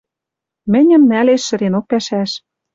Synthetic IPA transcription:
mɘ̆nʲɘ̆mnæleʃːɘ̆ɾenok̚pæʃæʃ

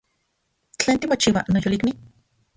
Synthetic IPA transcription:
t͡ɬeːnt̪imot͡ʃiwa̰nojolikmi

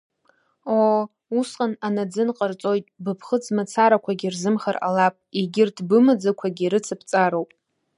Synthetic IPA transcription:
o | usqʼananad͡zɨnqʼərt͡sʼo̞jtʼbɨpʰχəd͡zmɨt͡sʰaɾakʷʰaɡʲirzɨmχara̰lapʼiɡʲɪrtʰbɨmɨd͡zakʷʰaɡʲiɾɨt͡sʰɨpʰt͡sʼaɾowpʼ

